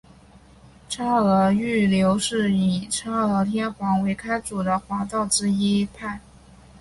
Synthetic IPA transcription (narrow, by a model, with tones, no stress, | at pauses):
ʈ͡ʂʰa˥ɤ˧˥y˥˩ljo˧˥ʊʂɻ̩˥˩i˨˩ʈ͡ʂʰa˥ɤə˧˥t̪ʰjɛ˥nxwɑ˧˥ŋwe˧˥ɪkʰa˥ɪt͡su˨˩d̪ə˦xwa˧˥t̪ɑ˥˩ʊʈ͡ʂɻ̩˥i˥pʰa˥˩